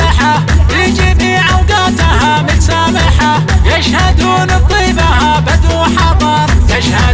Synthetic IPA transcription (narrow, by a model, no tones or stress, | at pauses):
ɪħa | jɪd͡ʒibiːʕawɡaːt̪ahamɪsaːmɪħa | jaʃhad̪uːnt̪ˤːiːbahabad̪uħɑd̪ˤɑɾˤjaʃha